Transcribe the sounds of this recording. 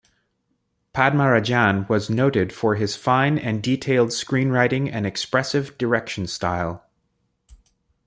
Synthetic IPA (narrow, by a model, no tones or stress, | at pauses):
pʰæd̚məɹɨd͡ʒæ̃nwʌznoʊɾɪd̥fə˞ɪz̥fãɪ̃nɨ̃nditʰeɪlˠd̥skɹĩnɹaɪɾɪ̃ŋɨ̰̃nɨkspɹɛsɨvdə˞ɛkʃn̩staɪlˠ